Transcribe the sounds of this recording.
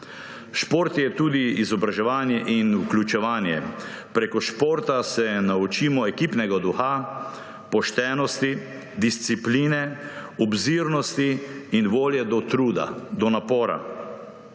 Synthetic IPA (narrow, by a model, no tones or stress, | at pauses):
ʃpoɾt̪jɛt̪uːd̪iizɔbɾaʒɛʋaːnjɛʔinukljut͡ʃɛʋaːnjɛ̰pɾeːkɔʃpoːɾt̪asɛnaut͡ʃiːmɔɛkiːpnɛɡad̪uxa | pɔʃt̪ɛːnɔst̪i | d̪ist̪sipliːnɛɔbziɾnɔst̪iːnʋoːljɛd̪ɔt̪ɾuːd̪a̰d̪ɔnapɔːɾa̰